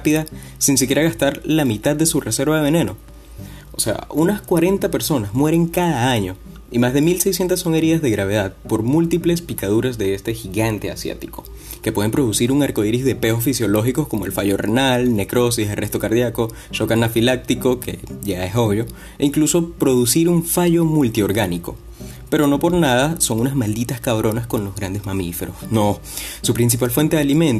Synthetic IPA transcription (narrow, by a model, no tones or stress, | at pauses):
apiða | sinsikje̞ɾaɣast̪aɾlamit̪að̚d̪e̞sure̞se̞ɾβaðe̞βe̞nẽ̞no̞ | ose̞a̰ʔunaskwaɾe̞nt̪ape̞ɾso̞nazmwe̞ɾe̞ŋkaðaaɲo̞ | imazðe̞milse̞js̬jent̪asːo̞ŋe̞ɾiðazðe̞ɣɾaβ̞e̞ð̞aðpo̞ɾmult̪iple̞spikað̞uɾazðe̞est̪e̞xiɣant̪e̞a̰sja̰t̪iko̞ | ke̞pwe̞ð̞e̞mpɾo̞ð̞usiɾuŋaɾko̞iɾizðe̞pe̞osfisjo̞lo̞xiko̞sko̞mo̞elfaʝo̞rḛnalne̞kɾo̞siselre̞st̪o̞kaɾðjako̞ | ʃokanafilak̚t̪iko̞kʰeʝae̞so̞βjo̞ | eiŋkluso̞pɾo̞ðusiɾuɱfaʝo̞mult̪io̞ɾɣaniko̞ | pe̞ɾo̞no̞po̞ɾnað̞aso̞ŋunazmald̪it̪askaβɾo̞nasko̞nlo̞zɣɾand̪e̞zmamife̞̰ɾo̞sno | supɾins̬ipalfwe̞nt̪eðalimẽ̞nt̪